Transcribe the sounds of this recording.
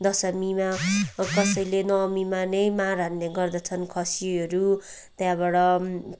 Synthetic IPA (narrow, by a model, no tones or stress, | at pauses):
d̪ʌsʌmimakʌsʌjlenʌmimanʌjmaɾanleɡʌrd̪ʌt͡sʰʌnkʰʌsiʌɾu | t̪jãbaɽʌ